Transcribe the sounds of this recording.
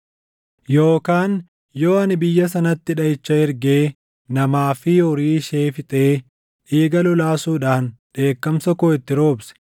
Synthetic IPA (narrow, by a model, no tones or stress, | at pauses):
jo̞ːkaːn | jo̞ːɐnɪbɪjːɐs̬ɐnɐt̪ːɪᶑɐɪt͡ʃːɐhɪɾɡe̞ː | nɐmaːfɪjoɾiːʃeːfɪt̪ʼeː | ᶑiːɡɐlʊlaːsuːᶑaːnᶑe̞ːkːɐmsɐkoːɪt̪ːɪɾo̞ːbsɛ̥